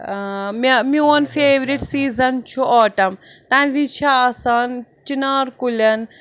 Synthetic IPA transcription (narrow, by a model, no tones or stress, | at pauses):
mmĩɐnfeːʋɾiʈsiːzɐnt͡ʃʰuʔaːʈɐmt̪ãːnʋit͡ʃʰaːsaːnt͡ʃinaːɾkulɐn